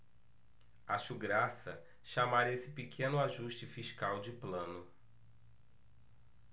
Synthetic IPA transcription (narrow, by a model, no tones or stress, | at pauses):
aʃʊɡɾasɐ | ʃamaɾesɪpikʰẽnʊaʒuʃt͡ʃɪfiʃkawd͡ʒɪplɐ̃nʊ